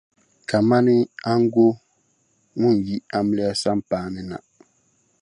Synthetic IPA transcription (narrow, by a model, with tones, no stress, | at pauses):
ka˨ma˦ni˦a˦ŋ̩˦ɡo˦ | ŋu˦˨n˨ji˦ʔa˦m˦lɛ˦a˦sa˦m̩˦paː˨nɛ˨na̰˨ʔ